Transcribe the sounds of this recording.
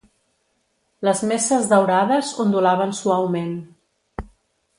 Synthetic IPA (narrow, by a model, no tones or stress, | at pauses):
ləzmesəzðəwɾaðəzund̪ulaβənsuawmen